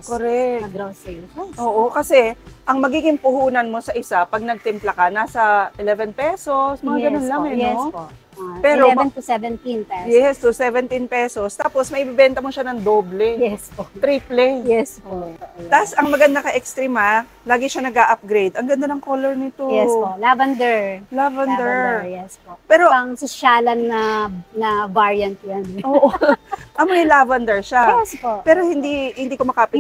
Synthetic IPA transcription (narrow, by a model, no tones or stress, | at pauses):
koɾɛɐɡɾosɛʔoːʔo̞kɐsɛʔɐŋmɐɡiːɡɪŋpʊhuːnɐnmo̞sɐʔɪsapɐɡ̚nɐɡ̚t̪ɪmplɐkɐnaːsɐʔɪlɛvɛnpɛso̞smɐŋaɡɐnonlɐŋɛnɛpo | pɛːɾoɛmɛnt̪usɛvɛnt̪inɛjɛst̪ʊsɛvɛnt̪inpɛso̞st̪aːpo̞smɐʔɪbɪbɛnt̪ɐmoʃanɐŋd̪oːblɛjɛst̪ɾiːplɛjɛspot̪asɐŋmɐɡɐnd̪akɐʔɛkst̪ɾima | laːɡɪʃanɐɡaʔɐp̚ɡɾejd̪ɐŋɡɐnd̪anɐŋkolɛɹnɪt̪ojɛlavɐnd̪ɛɹlavɐnd̪ɛɹjɛsopɛːɾoɐŋsɪʃaːlɐnːɐnɐvaɹjɐnt̪jɐnʔoːʔoʔɐmojɐlavɐnd̪ɛɹʃaɛspopɛːɾo̞hɪnd̪ihɪnd̪iːkomɐkapɪ